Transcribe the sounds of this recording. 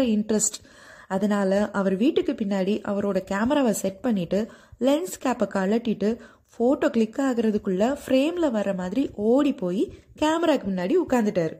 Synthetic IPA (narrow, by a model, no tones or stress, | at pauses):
ɐɪɳɖɾɐsʈ | ɐðɐnaːlɐʔɐʋɐɾʋiːʈːɯkːɯpɪnːaːɽiʔɐʋɐɾoːɽɐkaːmɐɾaːʋɐsɛʈ̚pɐɳːɪʈːɯlɛnskaːpɐkɐɭɐʈːɪʈːɯ | foːʈoːkɭɪkːaːɣɪɾɐðɯkːɯɭːɐfɪɾeːmlɐʋɐrːɐmaːðɪɾiʔoːɽipoːji | kaːmɐɾaːkɯmɪnːaːɽiʊkːaːnd̪ɯʈːaːɾɯ